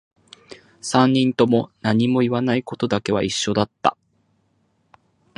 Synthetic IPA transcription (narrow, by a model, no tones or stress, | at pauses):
sãɲːĩnt̪o̞mo̞naɲ̟imo̞iβanaiko̞t̪o̞d̪ake̞βa̰iɕːo̞d̪at̪ːa̰